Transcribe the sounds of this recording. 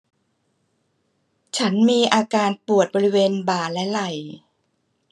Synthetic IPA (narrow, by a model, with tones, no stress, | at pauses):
t͡ɕʰa˦˥nmiː˧ʔaː˧kaː˧npu˨˩ət̪̚bɔː˧ɾi˦˥weː˧nbaː˨˩lɛ˦˥la˨˩j